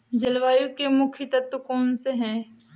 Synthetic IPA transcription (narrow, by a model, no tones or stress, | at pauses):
d͡ʒɐlʋaːjukemʊkʰit̪ɐt̪əkɔːnseɦɛ̃ː